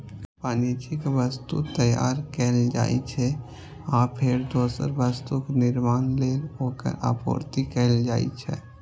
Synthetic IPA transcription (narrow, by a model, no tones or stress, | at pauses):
paːnit͡ʃɪkʋəst̪ṵt̪əja̰ːɾkɛld͡ʒa̰ːḭt͡ʃʰɛ | apʰɪɾd̪oːsə̰ɾʋəst̪uknɪɾmaːnleːlɦoːkə̰ɾʔa̰ːpo̰ːɾt̪ikɛːld͡ʒaːḭt͡ʃʰɛ̰